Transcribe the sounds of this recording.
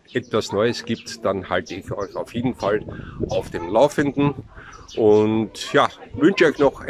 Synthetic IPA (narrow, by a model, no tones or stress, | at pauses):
ʔɛtv̥asnɔʏəsɡ̥iːp̚td̥anhaltəɪçɔʏçaʊfjeːdn̩falʔaʊfd̥eːmlaʊfəndn̩ʔʊntjaːvʏnʃəɔʏçnɔχ